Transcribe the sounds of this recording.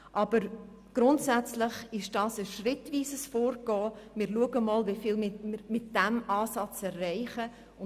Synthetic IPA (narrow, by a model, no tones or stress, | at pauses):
ʔɑb̥əɾ | ɡ̥ɾʊntsæt͡slɪχɪʃd̥ɑːsəʃrɪtviːsəsfoːɾɡɔːmɪɾluəɡəmɑːlʋifɪlmɪmɪtd̥æmɑːsɑt͡sɛrːɛɪχə | ʊ